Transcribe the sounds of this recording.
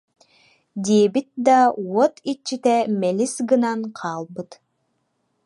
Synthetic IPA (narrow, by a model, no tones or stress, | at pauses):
d̪iɛbit̪̚d̪awɔt̪it͡ɕːit̪ɛmɛlisɡɯnanqʰɑːlˠbɯt̪